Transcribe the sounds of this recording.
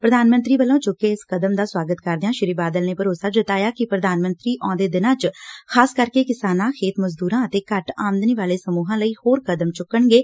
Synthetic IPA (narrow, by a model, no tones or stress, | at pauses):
pɾəd̪aːnmə̃nt̪ɾiːbəlõːt͡ʃʊkːeːɪskəd̪əmd̪aːswaːɡət̪kəɾd̪eãːʃɪɾiːbaːd̪əlneːpəɾoːsaːd͡ʒət̪aːjaːkɪpɾəd̪aːnmə̃nt̪ɾiːʔɔ̃ːd̪eːd̪ɪnãːt͡ʃkʰaːskəɾkeːkɪsaːnãːkʰeːt̪məzd̪uːɾãːət̪eːkəʈaːmənd̪niːʋaːleːsəmuːɦãːləiːhoːɾkəd̪əmt͡ʃʊkːəɳɡeː